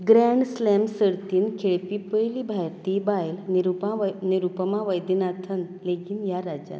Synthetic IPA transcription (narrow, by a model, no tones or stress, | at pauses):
ɡɾaɳɖslɛmsəɾt̪iːnkʰeɭpipəjlibʱajɾt̪ibajlnɾupaniɾupəmaʋəjd̪inat̪ʰənleɡiːnjaɾad͡ʑja̰n